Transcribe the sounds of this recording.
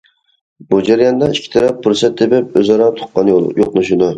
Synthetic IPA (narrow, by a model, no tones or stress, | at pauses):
bud͡ʒæɾijɑnd̪ɑikʲʰːi̥t̪ʰɑɾɛp̚bʊɾsɛt̪̚d̪ebɪpøzɑɾɑt̪ʰʊ̥q̚qːɑnjolˠjoqnuʃud̪u